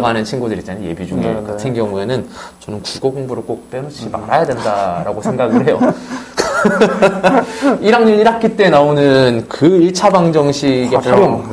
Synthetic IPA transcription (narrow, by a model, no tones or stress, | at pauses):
ɡanɯnt͡ɕʰinɡudɯɾit͡ɕ͈anɯnje̞̰bid͡ʑuŋeeokɯtʰɯnɡjʌŋue̞nɯnt͡ɕʌnɯnkuɡoɡoŋbuɾɯɭk͈ok̚p͈enoɕ͈ʰima̰ɾajadwendaɾaɡosʰe̞ŋɡaɡɯɭhe̞jo | iɾaŋɲuɲiɾak͈ʰit͈e̞naonɯnkɯiɭt͡ɕʰabaŋd͡ʑʌŋɕʰiɡe̞pʰajoŋ